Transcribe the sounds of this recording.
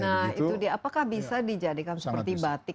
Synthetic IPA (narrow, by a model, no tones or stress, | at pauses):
nahit̪udiaːpakahbisadid͡ʒadikansəpərt̪ibat̪ɪ